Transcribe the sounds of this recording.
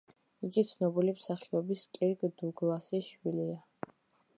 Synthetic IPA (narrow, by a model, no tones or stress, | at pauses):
iɡit̪sʰnɔbilimsaχiɔbiskʼiɾɡd̪uɡlˠasiʃwilia